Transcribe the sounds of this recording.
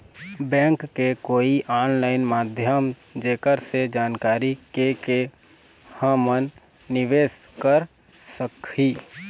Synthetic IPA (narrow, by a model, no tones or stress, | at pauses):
bɛ̃ːŋkːekoːiʔaːnlaːɪnmaːd̪ʱjəm | d͡ʒeːkəɾsed͡ʒaːnkaːɾikeke | hə̃mənː | ɪʋeːskəɾ | səkiː